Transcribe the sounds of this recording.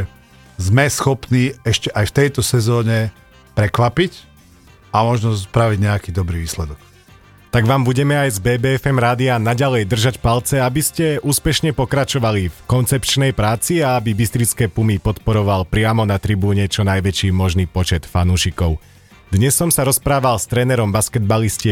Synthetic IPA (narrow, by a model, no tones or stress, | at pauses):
zmɛsxɔpniːɛʃcɛʔajft̪ɛjt̪ɔsɛzɔːɲɛ | pɾɛkʋapic | amɔʒnɔspɾaʋiɟɲɛakiːd̪ɔbɾiːʋiːslɛd̪ɔk | t̪aɡʋaːmbuɟɛmɛajzbɛːbɛːɛfɛmɾaːd̪ianaɟalɛjd̪r̩ʒacpalt͡sɛabiscɛuːspɛʃɲɛpɔkɾat͡ʃɔʋalifkɔnt͡sɛpt͡ʃnɛjpɾaːt͡siaabibist̪ɾit͡skɛːpumipɔt̪pɔɾɔʋalpɾɪamɔnat̪ɾibuːɲɛt͡ʃɔnajʋɛt͡ʃiːmɔʒniːpɔt͡ʃɛt̪fanuːʃikɔʊ | d̪ɲɛsːɔmsaɾɔspɾaːʋalst̪ɾɛːnɛɾɔmbaskɛd̪̚balisci